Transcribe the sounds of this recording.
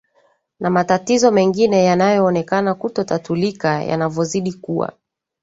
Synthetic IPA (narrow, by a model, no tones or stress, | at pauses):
namatatizɔmɛŋɡinɛjanajɔːnɛkanakutɔtatulikaja̰navɔziɗikuwa̰